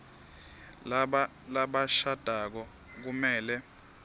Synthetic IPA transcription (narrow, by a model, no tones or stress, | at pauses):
laɓaʃad̥ʱak̬ɔ | k̬umɛːlɛ